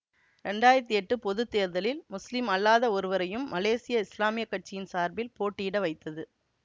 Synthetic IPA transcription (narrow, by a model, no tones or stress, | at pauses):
ɾɛɳɖaːjɪɾɐt̪̬ːiɛʈːɯpɔðɯt̪ːeːɾðɐlɪlmʊslɪmɐlːaːðɐɔɾɯʋɐɾɐjɯmːɐleːsɪjɐɪslaːmɪjɐkːɐʈ̚t͡ʃːɪjɪnsaːɾbɪlpoːʈːiɽɐʋɐɪt̪ːɐðɯ